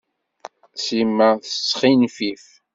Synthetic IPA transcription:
simːæθəsːχinfif

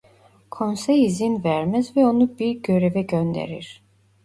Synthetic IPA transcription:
kʰonsɛjizimvæɾmɛzvɛo̞nubiɾɟøɾevɛɟønd̪ḛɾḭɾ̥

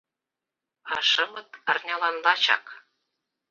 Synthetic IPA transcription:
ɑʃɤ̆mɤ̆t̪ɑrnʲɑlˠɑnlɑt͡ɕɑ̰k

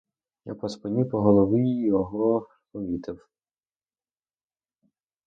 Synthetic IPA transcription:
ja̰pɔspɪnʲipɔɦɔlˠɔʋijɔɦɔ | pɔʋʲit̪ɪw

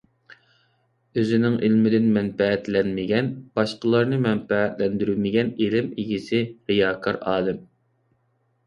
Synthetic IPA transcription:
øzɪnɪŋʔɪlmɪd̪ɪnmɛnpɛæt̪lɛnmɪɡʲɛnb̥ɑʃqəlˠɑɾnɨmɛnpææt̪lɛnd̪yɾymɪɡʲɛnelɪmiɡʲisɪʁijɑːkʰɑɾɑːlˠɪm

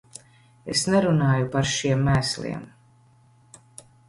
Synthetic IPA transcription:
ḛsnɛɾunaːjupaɾʃiɛmːæːslˠḭɛm

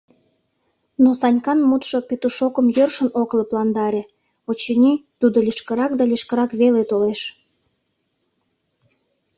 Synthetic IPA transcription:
nosɑnʲkɑnmut̪ʃopet̪uʃokəmjørʃənokləplɑnd̪ɑɾe | ot͡ɕenʲit̪ud̪olʲiʃkəɾɑkd̪ɑlʲiʃkəɾɑkβelet̪oleʃ

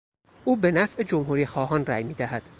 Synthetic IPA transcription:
ʔuːbe̞næfʔe̞d͡ʒomɦuːɾiːxɒːɦɒːnræjmiːd̪æhæd̪̥

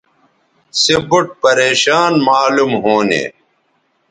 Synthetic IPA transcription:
sebuʈ̚pɐɾeːɕaːnmaːlumɦoːnḛː

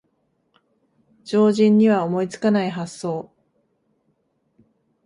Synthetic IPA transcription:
d͡ʑo̞ːʑĩɲːiβaomo̞it͡sɨ̥kanaiɦasːo̞ː

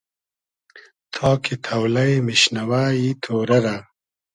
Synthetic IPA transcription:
t̪ʰɑːkʰit̪ʰawlɐjmiɕnɐwaːjit̪ʰoːɾɐɾa

